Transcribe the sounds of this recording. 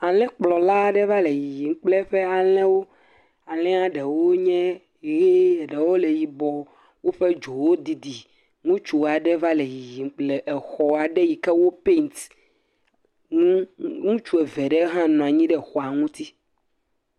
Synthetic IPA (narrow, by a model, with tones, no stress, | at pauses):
a˨lɛ̃˦k͡plɔ˨la˦˨ɖɛ˦va˦le˨ji˨ji˨ŋ̩˦k͡ple˦ɸɛ˦a˨lɛ̃˦wo˦ | a˨lɛ̃˦a˦ɖɛ˨wo˦ɲɛ̃˦ | e˨˦je˦˨ɖe˨wo˦le˨ji˨bɔ˨ | wo˦ɸe˦d͡ʒo˨wo˦d̪i˨d̪i˨ | ŋũ˦t͡ʃu˨wa˨ɖɛ˦va˦le˨ji˨ji˨ŋ˦k͡plɛ˨ʔɛ˨xɔ˨a˨ɖɛ˦ji˨kɛ˦wo˦pe˦nt̪ | ŋũ˦ŋũ˦t͡ʃu˦ɛ˨vɛ˨ɖɛ˦ɦã˦nɔ̃˨a˨ɲĩ˦ɖɛ˨xɔ˨a˨ŋũ˦t̪i˦